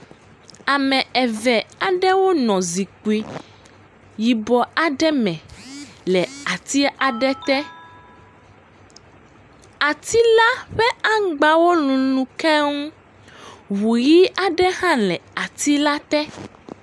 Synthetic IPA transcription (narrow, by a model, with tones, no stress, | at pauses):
a˨mɛ̃˨ɛ˨vɛ˨a˨ɖɛ˦wo˦nɔ̃˨zi˨ku˨i˨ | ji˨bɔ˨a˨ɖɛ˦mɛ̃˨lɛ˨a˨t̪i˦a˨ɖɛ˦t̪ɛ˦ | a˨t̪i˦la˦ɸɛ˦a˦ɡ͡ba˨wo˦lũ˨lũ˨kɛ˦ŋu˦ | wu˨ji˦a˨ɖɛ˦hã˦lɛ˨a˨t̪i˦la˦t̪ɛ˦